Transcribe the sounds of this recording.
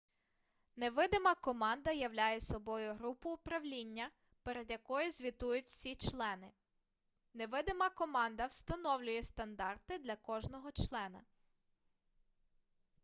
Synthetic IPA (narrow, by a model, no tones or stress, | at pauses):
neʋɪd̪emɐkɔmɑnd̪ɐjɐwlʲajɛsɔbɔjʊɦɾupʊːpɾɐwlʲinʲːɐ | peɾed̪jɐkɔjʊzʲʋʲit̪ujʊtʲwsʲit͡ʃlˠɛnɪ | neʋɪd̪ɪmɐkɔmɑnd̪ɐwst̪ɐnɔwlʲʊjɛst̪ɐnd̪ɑrt̪ɪd̪lʲɐkɔʒnɔɦɔt͡ʃlˠɛnɐ